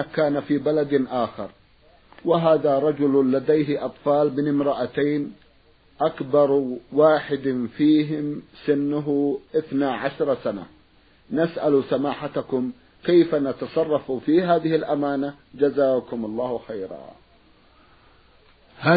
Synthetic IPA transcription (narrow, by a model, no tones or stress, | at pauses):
akaːnafiːbalad̪ʔaːxɑɾˤ | wɪɦaːðaɾˤɑd͡ʒʊllad̪ajɦɪʔɑt̪ˤfɑːlbɪnɪmɾˤɑʔat̪ajn | ʔakbɑɾˤwaːħɪd̪fiːɦɪmsɪnːʊɦʊʔɪθnaʕaʃɾˤsana̰ | nasʔalsamaːħat̪akʊm | kajfanat̪ɑsˤɑrˤːɑfufiːɦaːðɪhɪlʔamaːnad͡ʒazaːkʊmɑlˤːɑːhwxajɾɑ̰ | haː